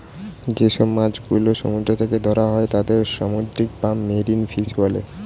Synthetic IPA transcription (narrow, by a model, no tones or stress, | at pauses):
d͡ʑeʃɔbmad͡ʑɡuloʃɔ̰mud̪ɾot̪ʰeked̪ʱɔɾaɦɔet̪ad̪eɾʃamod̪ɾik̚pamːeɾinfiʃɡɔlḛ